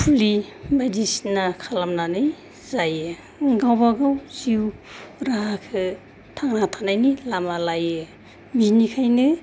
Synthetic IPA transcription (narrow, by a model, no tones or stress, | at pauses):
pʰulibajdisnakʰalamnanɯj | zajɯ | ɡawbaɡawziuɾaɦakʰɯ | tʰaŋnatʰanajnilamalajɯ | minikʰajnɯ